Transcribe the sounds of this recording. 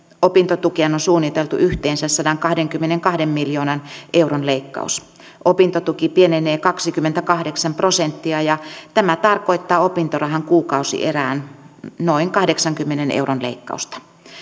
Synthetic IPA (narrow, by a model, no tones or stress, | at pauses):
opint̪ot̪ukienonsuːnːit̪elt̪ṵʔyht̪eːnsæssɑdɑŋkɑhdeŋkymːeneŋkɑhdemmiljoːnɑnʔeuronleikːɑ̰us | ʔopint̪ot̪ukipieneneːkɑksikymːent̪ækɑhdeksɑmprosent̪ːiɑjɑt̪æmæt̪ɑrkoit̪ːɑːopint̪orɑɦɑŋkuːkɑusḭʔḛræːnnoiŋkɑhdeksɑŋkymːenenḛuronlḛikːɑ̰ust̪ɑ̥